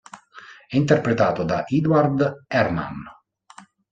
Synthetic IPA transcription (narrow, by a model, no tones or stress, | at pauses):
ɛint̪erpɾet̪aːt̪od̪aʔid̪waɾd̪ɛɾma̰n